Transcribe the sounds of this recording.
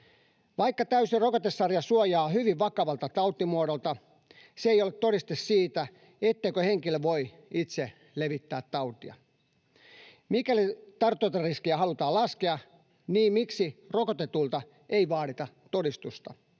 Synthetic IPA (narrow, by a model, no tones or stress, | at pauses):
ʋɑikːɑt̪æysirokot̪esːɑrjɑsuojɑːhyʋiʋʋɑkɑʋɑlt̪ɑt̪ɑut̪ːimuodolt̪ɑ | seeijolet̪toɾist̪essiːt̪æ | et̪ːeikøheŋkilʋoi | it̪se | leʋit̪ːæːt̪tɑut̪iɑ̰ | mikælit̪ɑrt̪ːˑoit̪ɑriskiæɦɑlut̪ɑːlɑskeɑ | niːmmiksirokot̪et̪ult̪ɑ | eiʋɑːɾit̪ɑ | t̪odist̪ust̪ɑ̰